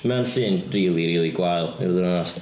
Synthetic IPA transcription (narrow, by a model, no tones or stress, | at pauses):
mɛnɬɨːnriːlˠiɾiːlˠiɡwajlˠɪ̰rðənnɔs